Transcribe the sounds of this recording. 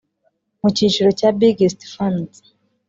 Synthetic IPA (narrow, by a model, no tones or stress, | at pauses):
muciːt͡ʃuɾocabiɡestfand